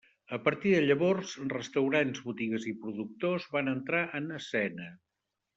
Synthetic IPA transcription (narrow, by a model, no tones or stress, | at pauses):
əpəɾt̪iðəʎəβɔrzrəst̪əwɾanzβut̪iɣəzipɾuðuk̚t̪ozβanənt̪ɾaʔənəsɛnə